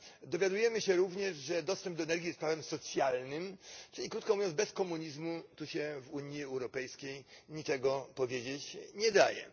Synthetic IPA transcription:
d̪ɔvʲjad̪ujɛmɘɕɛɾuvɲɛʐʐɛd̪ɔst̪ɛmb̚d̪ɔɛnɛɾɡʲijɛst̪pɾavɛmsɔt̪sʲjalnɘmt͡ʂɘlʲikɾut̪kɔ̃muvjɔ̃bɛskɔmuɲizmut̪uɕɛvuɲiɛwɾɔpɛjskʲejɲit͡ʂɛɡɔpɔvʲjed͡ʑet͡ɕɲɛd̪ajɛ̰

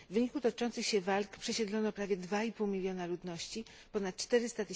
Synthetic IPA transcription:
vvɘɲikut̪ɔt͡ʂɔnt̪sɘxɕɛvalkpʂɛɕɛd̪lɔnɔpɾavʲjɛd̪vaipuwmʲilʲjɔnalud̪nɔɕt͡ɕi | pɔnat̪̚t͡ʂt̪ɛɾɘst̪at̪ɘ

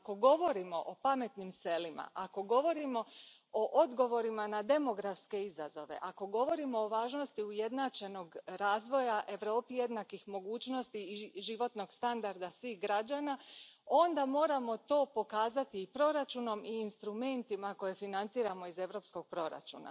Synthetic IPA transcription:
ako̞ɡo̞ʋo̞ɾimo̞ʔopame̞t̪nimse̞lima̰ʔako̞ɡo̞ʋo̞ɾimo̞ | oʔod̪ɡo̞ʋo̞ɾimanad̪e̞mo̞ɡɾafske̞izazo̞̰ʋe̞̰ʔako̞ɡo̞ʋo̞ɾimo̞ːʋaːʒno̞st̪iuje̞d̪nat͡ʃe̞no̞ɡɾaːzʋo̞jaʔe̞ʋɾo̞ːpije̞d̪nakixmo̞ɡuːt͡ʃno̞st̪iːʒiʋo̞t̪no̞ɡst̪and̪aɾd̪asʋixɡɾad͡ʒanao̞nd̪amo̞ːɾamo̞t̪o̞ːpo̞kaːzat̪iːpɾo̞ɾat͡ʃuno̞miːnst̪ɾume̞nt̪imako̞je̞finant̪siːɾamo̞ize̞ʋɾo̞ːpsko̞ɡ̥̚pɾo̞ɾa̰t͡ʃṵːna̰

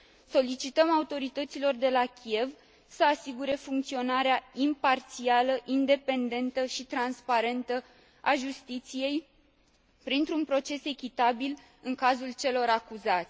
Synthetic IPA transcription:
so̞lit͡ʃit̪əmaut̪o̞ɾit̪ət̪silo̞rd̪e̞lakʲʰie̞v | səasiɡuɾe̞fuŋk̚t̪sio̞naɾeaimpart̪sialəʔind̪e̞pe̞nd̪e̞nt̪əʃit̪ɾanspaɾe̞nt̪ə | aʒust̪it̪sije̞j | pɾint̪ɾunpɾo̞t͡ʃe̞se̞kʲit̪abil | ɨŋkazult͡ʃe̞lo̞ɾakuzat̪sʲ

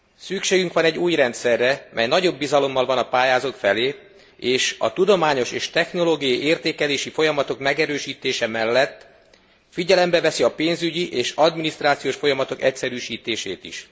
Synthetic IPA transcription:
sykʃeːɡyŋkʋɒnɛɟːuːjrɛnt̪sɛrːɛmʔɛjnɒɟo̞bːizɒlo̞mːɒlvɒnɒpaːjaːzokfɛleː | eːʃɒ̰t̪ud̪o̞maːɲo̞ʃeːʃt̪ɛxno̞loːɡijɒiʔeːrt̪eːkɛleːʃifo̞jɒmɒt̪o̞kmɛɡɛɾøːʃiːt̪eːʃɛmɛlːɛt̪ː | fiɟɛlɛmbɛvɛsiɒpeːnzyɟiʔeːʃɒd̪minist̪raːt̪sijoːʃfo̞jɒmɒt̪o̞kɛcsɛɾyːʃiːt̪eːʃḛːt̪ḭʃ

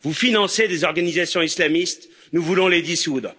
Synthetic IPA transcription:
vufinɑ̃sed̪ezɔʁɡanizasjɔ̃islamist̪ | nuvulɔ̃led̪isud̪ʁ

